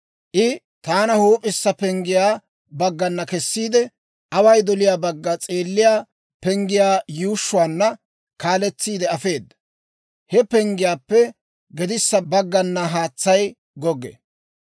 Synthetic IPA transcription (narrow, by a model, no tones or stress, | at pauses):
ʔɪ | t̪aːnɐhuːpʼɪsːɐpɛŋɡɪjaː | bɐɡːɐnːɐkɛsːiːd̪ɛ | ʔɐwɐjd̪ɔlɪjaːbɐɡːɐt͡sʼeːlːɪjaː | pɛŋɡɪjaːjuːʃːʊwaːnːɐ | kaːlɛt͡sːiːd̪ɛɐfe̞ːd̪ːɐ̥ | hɛpɛŋɡɪjaːpːɛ | ɡɛd̪ɪsːɐbɐɡːɐnːɐɦaːt͡sːɐj | ɡɔɡɛ̰